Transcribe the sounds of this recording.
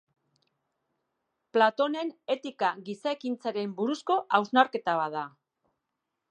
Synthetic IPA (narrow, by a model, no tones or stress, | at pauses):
plat̪o̞ne̞ne̞t̪ikaɣisaekint͡saɾe̞mbuɾusko̞ʔawznaɾke̞t̪aβaða